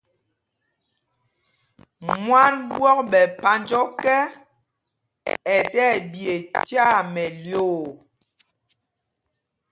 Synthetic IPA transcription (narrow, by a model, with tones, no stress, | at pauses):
mwa˦nbwɔ˦k̚ɓɛ˨pa˨˦nd͡ʒɔ˦kɛ˦ | ɛ˨tɛ˦˨bje˨tja˦˨mɛ˨ljoː˦˨